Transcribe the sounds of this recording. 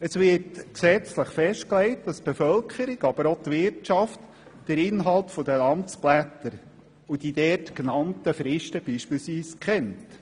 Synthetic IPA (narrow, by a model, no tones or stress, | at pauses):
əsvɪːɾtksɛt͡sləχfɛʃt̚klɛɪt̚d̥ɑsb̥efœlkχəɾɪɡ̥ɑb̥əɾotvɪɾtt͡ʃɑft | d̥əɾɪnɦɑlˠtfɔdəlɑnt͡splætəɾ | ud̥idɛːtknɑntəfɾɪʃtəb̥iːʃpiːlsʋiːskχɛnt